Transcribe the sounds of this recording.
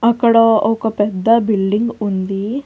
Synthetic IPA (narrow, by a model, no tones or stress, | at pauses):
ɐkɐɽɐokɐpɛd̪ːɐbilɖiŋɡund̪i